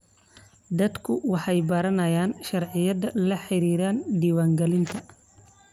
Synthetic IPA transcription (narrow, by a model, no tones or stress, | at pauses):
d̪ɐd̪kʰʊwɑħɑjbɐɾɐnɐjaːnʃɐrʕɪjɐðɐlɐħɪɾiːɾaːnd̪iːwaːŋɡɛlɪnt̪ʰɐ